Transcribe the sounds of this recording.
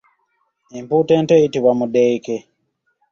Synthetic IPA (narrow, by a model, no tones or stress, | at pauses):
emputeːnteitiβwamudeike